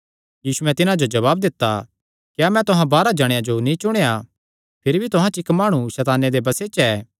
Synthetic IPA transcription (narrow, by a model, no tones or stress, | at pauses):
jiːsuɛ̃t̪ɪnãd͡ʒod͡ʒɐʋaːb̚d̪ɪt̪ːa | kjaːmɛ̃t̪ʊɦãbaːɾad͡ʒɐɽ̃jãd͡ʒonĩt͡ʃʊɽ̃eja | pʰɪɾibʱit̪ʊɦãt͡ʃɪkmaːɽ̃uʃɛːt̪aːned̪ebɐseːt͡ʃɛː